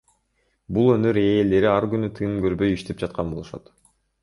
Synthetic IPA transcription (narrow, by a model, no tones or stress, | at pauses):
bulˠø̞nø̞ɾe̞ːle̞ɾiɑɾɡynyt̪ʰɯmɡø̞ɾbø̞jiʃt̪e̞p̚d͡ʒɑt̪̚qɑnbo̞lˠuʃɑ̰t̪